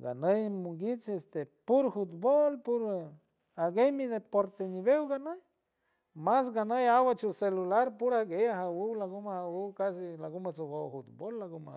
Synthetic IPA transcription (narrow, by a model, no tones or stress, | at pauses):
ɡa̰nəjmuŋɡit͡ʃest̪epuɾhut̪bolpuɾ | aɡejmid̪epoɾt̪eniβewɡanəj | masɡanəjawat͡ʃuselulaɾpuɾaɡejaɦawuwlaɡumahawuwkasilaɡumat͡sowowhut̪̚bolːaɡuma